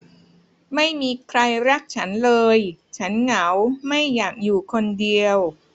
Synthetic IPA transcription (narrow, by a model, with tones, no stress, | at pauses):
ma˥˩jmiː˧kʰɾa˧jɾa˦˥k̚t͡ɕʰa˦˥nlɤː˧jt͡ɕʰa˦˥nŋa˩˦wma˥˩jːaː˨˩k̚juː˨˩kʰo˧ndi˧əw